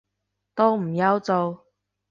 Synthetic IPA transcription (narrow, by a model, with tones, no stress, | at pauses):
t̪o˥wm̩˨˩jɐ˨˧wt͡so˨w